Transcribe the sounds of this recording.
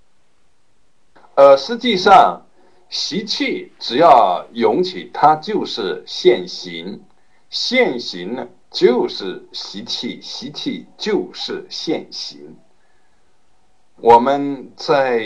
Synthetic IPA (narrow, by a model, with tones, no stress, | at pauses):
ə˧˩ʂɻ̩˧˥t͡ɕi˥˧ʂɑ˥˧ŋ | ɕi˧˥t͡ɕʰi˥˩ʈ͡ʂɻ̩˨˩jɑ˥˩ʊjʊ˧˥ŋt͡ɕʰi˨˩˦t̪ʰa˥t͡ɕjo˥˧ʊʂɻ̩˥˩ɕjɛ˥˩nɕi˧˥ŋ | ɕjɛ˥˩nɕi˧˥ŋ | t͡ɕjo˥˧ʊʂɻ̩˥˩ɕi˧˥t͡ɕʰi˥˩ɕi˧˥t͡ɕʰi˥˩t͡ɕjo˥˧ʊʂɻ̩˥˧ɕjɛ˥˩nɕḭ˧˥ŋ | wʔɔ˨˩mə˦nt͡sa˥˩ɪ